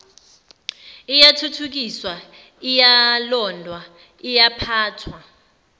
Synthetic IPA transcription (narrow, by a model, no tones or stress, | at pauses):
ijatʰutʰuk̬iswa | ijalɔndʱwa | ijapʰaːtʰwa